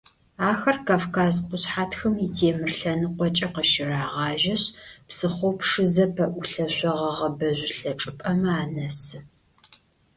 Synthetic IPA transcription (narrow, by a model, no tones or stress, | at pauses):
aːxɐrkʰaːfkʰaːzqʷʊɕħaːtxɨmitʰeːmɨrɬɐnɨqʷɔt͡ʃʼɐqəʃɪraːʁɑːʒɐɕpsɨχʷɔwpʂɨzɐpʰɐʔʷʊɬɐɕʷɔʁɐʁɐbɐʑʷɬɐʈ͡ʂʼɨpʼɐmɐaːnɐsɨ